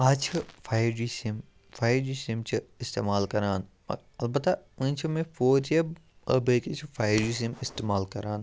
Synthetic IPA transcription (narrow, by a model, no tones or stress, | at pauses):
aːt͡ʃʰɐfʰaːjɾɖiːsim | fʰaːjɾɖiːsimt͡ʃʰiɪst̪ḛːmaːlkɐɾaːn | ɐ̰ | ɐlbɐt̪ːaũt͡ʃʰɐmẽfoːɾɐb | əbekit͡ʃʰfʰaːjɾɖiːs̬imɪst̪eːmaːlkɐɾaːn